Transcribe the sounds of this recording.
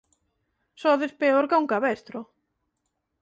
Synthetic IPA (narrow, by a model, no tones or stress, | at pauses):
sɔðɪspeoɾkawŋkaβɛst̪ɾʊ